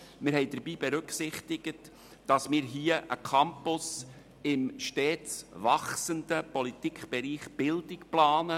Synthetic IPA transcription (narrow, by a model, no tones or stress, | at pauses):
mɪɾɦɛɪd̥əɾbiːb̥ɛɾʏksɪχtɪɡ̥ət | d̥ɑsmɪːɾɦiːəʔə̰kʰɑmpʊs | ɪmʃtɛːt͡svɑχsəndəpɔlit̪ikχb̥ɛɾiːχb̥ɪldɪkplɑːnə